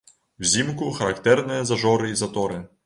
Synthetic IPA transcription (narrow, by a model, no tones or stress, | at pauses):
wzʲimkuxɐɾakt̪ɛrnɨjɛzɐʒɔɾɨizɐt̪ɔɾɨ